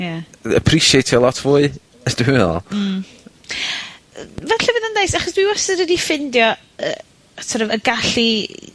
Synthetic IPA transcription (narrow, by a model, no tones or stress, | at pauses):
jaə̰pʰriʃiejtʰjɔlˠɔtʰvʊɨ | d̥wɛɔ̰ | vɛɬɛvɪðəndejsaχɔsd̥wiwɔsəɾədifɪndjɔ | ə̰ | atʰɔɾəvəɡaɬi